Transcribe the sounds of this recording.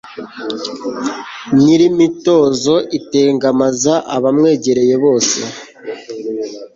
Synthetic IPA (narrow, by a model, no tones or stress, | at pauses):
niɾimito̞ːzo̞ʔiteːŋɡamazaʔaβamŋe̞ːɟe̞ɾe̞je̞βo̞ːse̞̰